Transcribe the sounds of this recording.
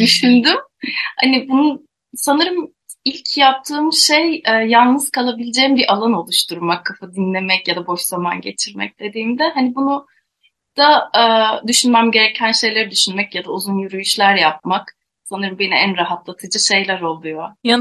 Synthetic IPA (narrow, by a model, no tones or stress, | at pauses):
d̪yʃynd̪ymha̰nibunu | sanɯɾɯm | ilʲcʰjap̚t̪ʰɯːmʃejɛːjalˠnɯz̥kʰalˠabilʲed͡ʒeːimbiʔalˠano̞lˠuʃt̪ʰuɾmakʰːafad̪inlʲe̞mɛcjad̪abo̞ʃz̥ama̰nɟe̞t͡ʃʰiɾmɛ̰c̚d̪̥e̞d̪iːmd̪ɛɦanibunu | d̪̥aː | d̪yʃynmæmɟe̞ɾecʰænʃe̞jlʲe̞ɾid̪yʃynmɛcjad̪auzunjyɾyjyʃlʲæɾjap̚mak | sanɯɾɯmbe̞niænɾaɦat̪lˠat̪ʰɯd͡ʒɯʃe̞jlʲæɾo̞lˠujoj